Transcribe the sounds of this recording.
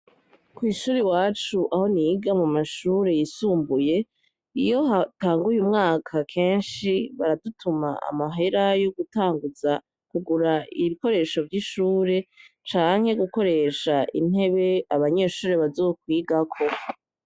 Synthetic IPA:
kwiːʃuːɾiwaːt͡ʃuʔaho̞niɡamumaʃuːɾe̞jisuːmbuje̞ | ḭjo̞ataːŋɡujumŋaːkʰakʰe̞ːnʃiβaɾadutʰuma̰a̰maɦe̞ɾajoɡutaːŋɡuza | kuɡuɾaiβiko̞ɾe̞ʃo̞vɟiʃuːɾe̞ | t͡ʃaːŋ̥he̞ɡuko̞ɾe̞ʃaʔḭn̥e̞βe̞aβaɲe̞ːʃuːɾeβazo̞ːk̚wiːɡakʰo̞

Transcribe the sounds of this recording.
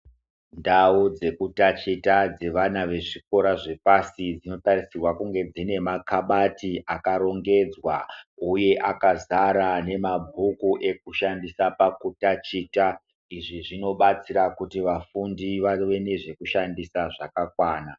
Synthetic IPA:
ndaud͡ze̞kutat͡ʃitad͡ze̞ʋanaʋe̞ʐiko̞ɾaʐe̞pasid͡zino̞tarisirwakuŋɡe̞d͡zine̞makaɓatiʔakaɾo̞ŋɡe̞d͡zwauje̞ʔakazaɾane̞mabʱukuʔe̞k̚uʃandisapakutat͡ʃiːta | iʐiʐino̞ɓat͡siɾakutiʋafundiʋaʋe̞ne̞ʐe̞kuʃandisaʐakakwaːna

